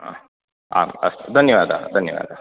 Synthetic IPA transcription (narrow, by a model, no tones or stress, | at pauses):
a̰ːɡɐst̪d̪ʱɐnjɐʋaːd̪ʱa̰d̪ʱɐnjɐ̰ʋa̰ːd̪a